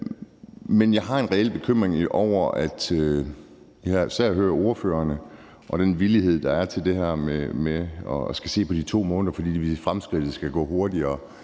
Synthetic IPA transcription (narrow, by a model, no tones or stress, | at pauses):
menjɑ̈ɪɦɑ̈e̝nʁɛel̰b̥e̝kʰøm̰ʁeŋɒʊ̰ɐæd̥ | jɑɑsæɐ̰ɦøːɐo̝ɐføːɐnə | ʔɒ̽ɾ̥enʋiliɦe̝ð̞̰ˠd̥ɑ̈æɐt͡sʰe̝ld̥e̝ɦɛɐ̰memeɒ̽sɡ̥æse̝̰ːpʰɒd̥it͡sʰo̝̰ːmɔ̽ːndɐfɒd̥ḭːdʋifʁamsɡ̥ʁid̥ð̩ˠsɡ̥æɡ̥ɔ̰̽ːɦo̝ɐd̥iɐː